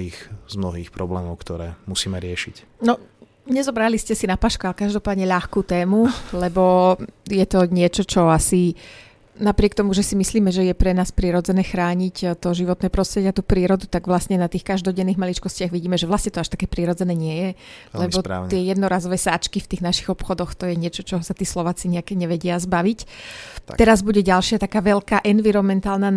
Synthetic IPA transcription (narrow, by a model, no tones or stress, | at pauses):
iːxz̥mnɔɦiːxpɾɔblɛːmɔʊkt̪ɔɾɛ̰ːmusiːmɛɾɪɛʃic | nɔ | ɲɛzɔbɾaliscɛsinapaːʃkualɛkaʒd̪ɔpaːd̪ɲɛʎaxkuːt̪ɛːmulɛbɔjɛt̪ɔɲɪɛt͡ʃɔt͡ʃɔasi | napɾɪɛkt̪ɔmuʒɛsimisliːmɛʒɛjɛpɾɛnaːspɾiɾɔd͡zɛnɛːxɾaːɲict̪ɔʒiʋɔt̪nɛːpɾɔst̪ɾɛɟiat̪uːpɾiːɾɔd̪ut̪aɡʋlastɲɛnat̪iːxkaʒd̪ɔɟɛnːiːɣmalit͡ʃkɔscɪaɣʋiɟiːmɛʒɛʋlast̪ɲɛt̪ɔaʃt̪ḁkɛːpɾiɾɔd͡zɛnɛːɲɪɛjɛlɛbɔ̰ɪɛjɛd̪nɔɾaːzɔʋɛːsaːt͡ʃkift̪iːɣnaʃi̥ɣɔpxɔd̪ɔxt̪ɔjɛɲɪɛt͡ʃɔt͡ʃɔɦɔsat̪iːslɔʋaːt͡siɲɛakɲɛʋɛɟɪazbaʋic̪ | t̪ɛɾazbuɟɛɟalʃɪat̪akaːʋɛʎkaːʔɛnʋiɾɔnmɛnt̪aːlnaː